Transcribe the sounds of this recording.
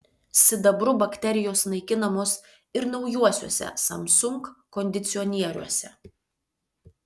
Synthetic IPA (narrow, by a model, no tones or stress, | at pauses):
sʲɪd̪ɐbɾʊbɐkʲt̪ʲɛɾʲɪjoːsnɐɪkʲɪnɐmoːs | ɪɾnɐʊjuɔsʲṵɔsʲɛ̰sɐ̰msʊŋkːɔnʲd̪ʲɪt̪sʲɪɔnʲiɛɾʲṵɔsʲɛ